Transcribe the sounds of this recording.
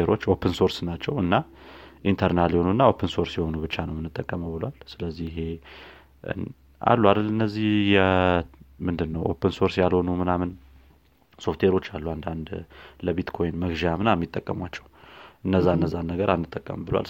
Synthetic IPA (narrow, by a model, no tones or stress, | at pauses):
eɾo̞t͡ʃːo̞pʰənso̞ɾsnat͡ʃːɛwɨnːa | ʔint̪ʰəɾnaljɛhonuɨnːaopʰːənso̞ɾsjɛho̞nubɨt͡ʃːanəwmɨnːɨt̪ʼːəkʼːəməwbɨlwalsɨləzːiɪɦe̞ | a̰lːwalɨnːəzːihjɛ | mɨnd̪ɨnːəwʔo̞̰pʰənso̞ɾsjalho̞numɨnamɨn | so̞ft̪ʰwe̞ɾo̞t͡ʃːalːuand̪and̪ləbit̪kʰo̞jnməɡʒamɨnamːit̪ʼːəkʼːəmwat͡ʃːɛwʔɨnːəzːaɨnːəzːanːəɡəɾʔanːɨt̪ʼːəkʼːə̰mbɨlwa̰l